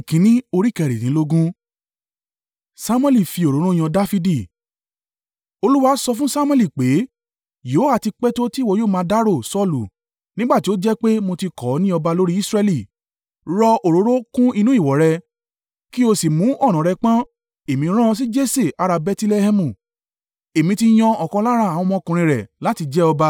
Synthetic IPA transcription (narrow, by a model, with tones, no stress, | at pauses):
i˨kĩ˨˦nĩ˦o˧ɾi˦˨kɛ˧˨ɾi˨nĩ˨˦lo˦ɡũ˦ | sa˦mw̃ɛ˧li˦˨fi˧o˨ɾo˨˦ɾ̃ũ˦j̃ɔ̃˧da˦fi˧di˦˨ | o˧lu˦wa˦sɔ˧fũ˦sa˦mw̃ɛ˦˨li˨k͡pe˨˦ | jo˨˦a˨˧ti˧k͡pɛ˦to˦ti˦˨wo˨˧joː˦˨mãː˧˦da˦ɾo˦˨sɔ˦lṵ˨ | nĩ˦ɡ͡ba˦˨ti˨˦o˦d͡ʒɛ˦k͡pe˦mo˧ti˧kɔ˨˦nĩ˦ɔ˧ba˧lo˦ɾi˦i˦sɾɛ˧li˨ | ɾɔ˧ʔo˨ɾo˨˦ɾo˦kũ˦i˧nũ˦i˦˨wɔ˨ɾɛ˧ | ki˦o˧si˨mũ˨˦ɔ˦˨ɾ̃ã˨ɾɛ˧k͡pã˦ | e˨mĩ˨˧ɾ̃ã˦˧s̬i˦d͡ʒe˦se˦˨ʔa˧ɾa˧bɛ˧ti˧le˧hɛ˧mũ˨ | e˨mĩ˧ti˧j̃ɔ̃˧ɔ˨kɔ̃˧˦la˦ɾa˦˨a˨w̃ɔ̃˧mɔ̃˧˦˧kũ˧ɾ̃ĩ˧ɾɛ˨la˨˦ti˧d͡ʒɛ˦ɔ˧ba˧